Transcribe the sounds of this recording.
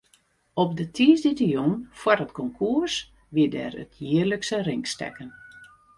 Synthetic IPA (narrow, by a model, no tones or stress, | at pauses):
ɔp̚dətʰiːsditəjonfwarətkɔŋkʰuərs | ʋɪdɛ̰rə̰tʰjɪːərləksərɪŋkstɛ̰kən